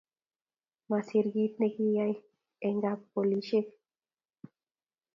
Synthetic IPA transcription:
masiɾɡit̪nekijaj | eŋɡappoliʃek

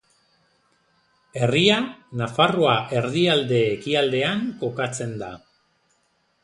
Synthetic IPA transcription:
e̞rianafaro̞aʔe̞ɾðiald̪e̞ːkiald̪e̞aŋko̞kat͡se̞nd̪a̰

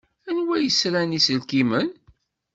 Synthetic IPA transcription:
ænwæjəsɾænisəlkimən

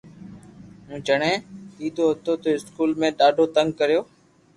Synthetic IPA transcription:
ɦũːt͡ʃəɽẽːiːd̪ʱoːɦət̪oːt̪oːɪskuːlmẽːɗaːɖʱoːt̪əŋɡ̚kəɾijoː

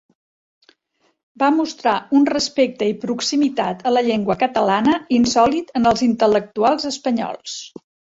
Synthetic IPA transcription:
bamust̪ɾaunrəspek̚t̪əipɾuksimit̪at̪ʰələʎeŋɡwəkət̪əlanəinsɔlit̪ənəlˠzint̪ələk̚t̪ualˠzəspəɲɔ̰lˠs

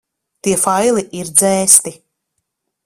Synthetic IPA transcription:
t̪iɛfajlˠiʔiɾd̪zɛːst̪i

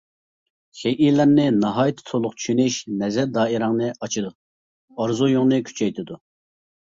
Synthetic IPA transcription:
χʲejʔilæɾnɪnɑɦɑːjt̪ʰt̪ʰolˠʊq̚t͡ʃʰy̥ʃynɪʃnɛzɛɾd̪ɑːiɾɑŋnɨɑt͡ʃʰɨd̪u | ɑɾzujoŋnɨkʲʰy̥t͡ʃʰɛjt̪ʰɪd̪u

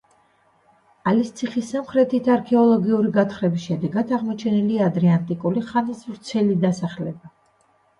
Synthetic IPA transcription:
alist̪sʰiχisamχɾɛt̪ʰit̪ʰaɾkʰɛɔlˠɔɡiuɾiɡat̪χɾɛbisʃɛd̪ɛɡat̪ʰaʁmɔt͡ʃʰɛniliad̪ɾɛant̪ʼikʼuliχanisvɾt̪sʰɛlid̪asaχlɛba

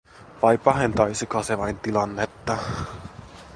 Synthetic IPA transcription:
ʋɑjpɑɦe̞nt̪ɑjsikɑseʋɑjnt̪ilɑnːe̞t̪ːɑ

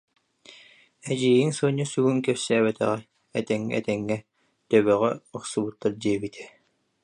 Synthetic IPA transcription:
ɛd͡ʑiːjiŋsɯːɲːɔsyɡuŋkɛpsæːβɛt̪ɛ̰ʁɛ | ɛt̪ɛŋːɛ̰ɛ̰t̪ɛŋːɛ | t̪œβœʁɛuχsubut̪ːaɾdiɛbit̪ʰɛ̥

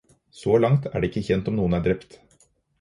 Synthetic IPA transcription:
sɔlɑŋt̪ʰæ̰ːɖeːɪkːəçɛnt̪ɔmnuːənæːɖɾɛpt̪

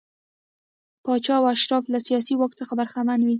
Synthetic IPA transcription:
pɑt͡ʃɑawaʃɾɑflasijɑsiwɑk̚t͡səxabaɾxamanwi

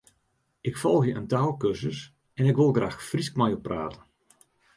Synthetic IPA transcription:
ɪkfɔlˠxjəʔəntaːlˠkørsəs | ɛnɪkʋɪlˠɣraːxfriskmajɔpːra̰ːtən

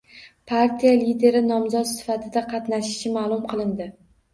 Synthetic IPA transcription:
pʰaɾt̪ʰijalid̪e̞ɾɪnɒmzɒt̪sɪ̥fat̪ʰɪd̪aqʰɑt̪naʃɪʃɪmaːlˠʊmqʰɨlˠɪnd̪ɪ

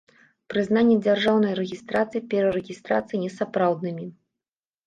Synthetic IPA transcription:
pɾɨznanʲːɛd͡zʲarʐawnɐjɾɛɣʲist̪ɾat̪sɨjipʲɛɾɐɾɛɣʲist̪ɾa̰t̪sɨjinʲɛsapɾawd̪nɨmʲi

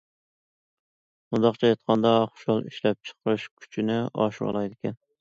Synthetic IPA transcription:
und̪ɑχt͡ʃʰɛjɑt̪̚qʰɑnd̪ɑχʊ̥ʃɑlˠiʃlɛp̚t͡ʃʰə̥qɨʃkʲʰy̥t͡ʃʰinɪɑ̰ʃwɑ̰lˠɑjd̪ɪkʲɛn

